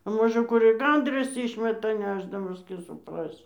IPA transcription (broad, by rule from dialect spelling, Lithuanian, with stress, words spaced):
ɐ ˈmoːʒə ˈkʊr ɪ ˈɡɐndrɐs ˈiːʃʲmʲɛtɐ ˈnʲæːʒdɐmɐs tʲiː sʊpˈrɑːsʲɪ